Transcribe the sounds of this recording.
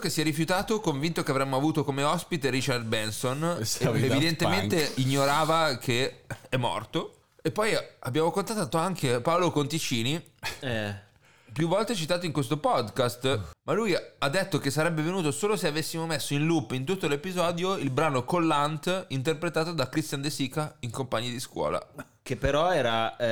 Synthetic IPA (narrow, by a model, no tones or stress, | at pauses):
kesːjɛɾːifjut̪aːt̪okoɱvint̪okeavɾɛmːoavuːt̪okomeɔspit̪eɾit͡ʃard̪̚bɛnsonevid̪ent̪ement̪eiɲːoɾaːvakʰeɛmːɔ̰rt̪o | epːɔjabːjaːmokont̪at̪ːaːt̪oaŋkʰepaolokont̪it͡ʃiːniɛ | pjuvːɔlt̪et͡ʃit̪aːt̪̬oiŋkwes̬t̪opɔd̪kast̪malujad̪ːet̪ːokesːaɾɛbːevenuːt̪osoːloseavesːimomesːoinlupːint̪ut̪ːolepizɔːd̪joilbɾaːnokolːant̪int̪̬erpɾet̪aːt̪od̪akɾist̪jand̪esiːkaiŋkompaɲːed̪iskwɔ̰ːla̰ | kepːeɾɔɛːɾa